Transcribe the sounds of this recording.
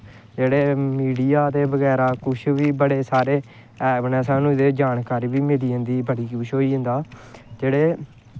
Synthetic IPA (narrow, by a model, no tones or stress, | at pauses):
d͡ʒeːɽeːmiːɖijaːt̪eːbəɡɛːɾaːkʊt͡ʃʰʋiːbəɽeːsaːɾeː | ɛːbnɛ̃ːsãːnũːd̪eːd͡ʒaːnkaːɾiːʋiːmeːɽiːə̃nd̪iːbəɽiːkuːʃoːiːɦʊ̃nd̪aːd͡ʒeːɽeː